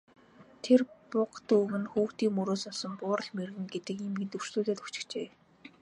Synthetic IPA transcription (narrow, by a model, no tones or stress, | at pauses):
t̪ʰerpʊqt̪uɣɘ̆nxuːxt̪iːŋmɵɾoːsɔɮsɞ̆mpʊːɾə̆ɮmerɣɘ̆ŋɡet̪ɘ̆kimɡɘ̆nt̪ɵr̥sɮuːɮeːt̪ɵxt͡ɕɪ̆t͡ɕeː